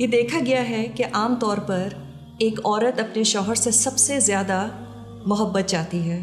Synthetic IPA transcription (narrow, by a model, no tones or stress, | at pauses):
jed̪eːkʰaɡɐjaɦɛkeʔaːmt̪ɔːɾpɐɾ | eːkɔːɾət̪ɐpneʃɔːɦəɾsesɐbsezjaːd̪a | mʊɦəbːət̪̚d͡ʒaːt̪iɦɛː